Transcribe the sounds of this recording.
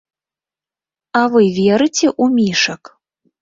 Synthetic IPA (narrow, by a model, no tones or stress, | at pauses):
avɨvʲɛɾɨt͡sʲɛʔumʲiʂɐk